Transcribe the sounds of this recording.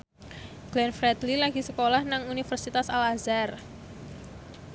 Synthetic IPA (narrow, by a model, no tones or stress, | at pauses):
ɡ̥lɛnfɾɛt̪lilaɡisəkolahnaŋunifərsit̪asalazar